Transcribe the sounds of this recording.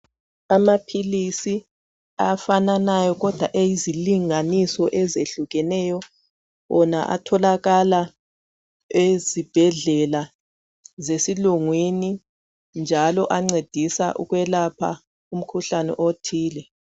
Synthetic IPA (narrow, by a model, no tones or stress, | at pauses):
amapʰilisi | afananajɔɣɔd̥ʱwaʔejiziliŋanisɔʔɛzeɬuɣɛnɛjɔ | wɔnaʔa̰tʰɔlaɣala | ezib̥ʱɛɮɛla | zesiluŋwini | nd͡ʒʱalɔʔaŋ͡ǀed̥ʱisa̰ʔṵɣwɛlapʰa̰ | um̩kʰuɬanɛ̰ʔotʰiːlɛ